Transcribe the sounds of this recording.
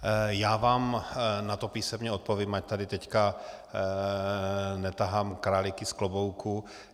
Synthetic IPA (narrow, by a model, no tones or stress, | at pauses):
jaːvaːmnat̪o̞piːsɛmɲɛot̪̚poviːmac̚t̪adɪt̪ɛcka | nɛt̪aɦaːmkɾaːlɪkɪsklobowku